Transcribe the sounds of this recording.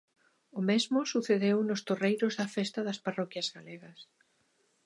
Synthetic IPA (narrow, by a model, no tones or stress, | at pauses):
ʊmezmʊsuθeðewnʊst̪orejɾʊzðɐfɛst̪ɐðɐsparɔkjɐzɣaleɣɐs